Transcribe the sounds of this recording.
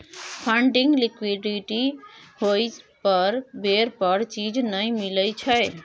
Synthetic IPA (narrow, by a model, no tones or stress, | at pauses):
pʰəɳɖiŋɡlikwiɖiʈihojpəɾbeɾpəɾt͡ʃid͡ʒnəjmiləjt͡ʃʰəj